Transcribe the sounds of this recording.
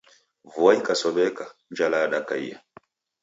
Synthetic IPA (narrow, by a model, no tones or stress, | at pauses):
vuaikasɔɓɛkaɲd͡ʒalaɗakaḭja̰